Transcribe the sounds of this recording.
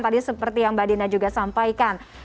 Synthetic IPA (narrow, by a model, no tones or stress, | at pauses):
t̪adisəpərt̪ijaŋbadinad͡ʒuɡasampajkan